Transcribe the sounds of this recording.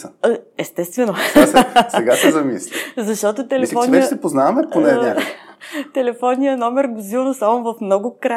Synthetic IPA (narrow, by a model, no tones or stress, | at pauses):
ɛst̪ɛst̪vɛnoassɛɡasɛzɐmislʲizɐʃt̪ɔt̪ot̪ɛlɛsfɔnɛsɛpoznavɐmɛponɛɛ | t̪ɛlɛfɔnːijənɔmɛɾɡzilˠnosamovɐfmnɔɡʊkɾa